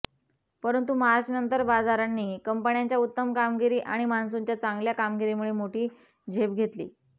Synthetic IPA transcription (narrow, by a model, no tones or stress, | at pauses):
pəɾənt̪umaɾd͡ʑnənt̪əɾbad͡zaɾanːiːkəmpəɳjaɲt͡ɕjaut̪ːəmkamɡiɾiːʔaɽ̃imansuɲt͡ɕjat͡saŋɡljakamɡiɾimuɭemoʈiː | d͡ʑʱepɡʱet̪lḭː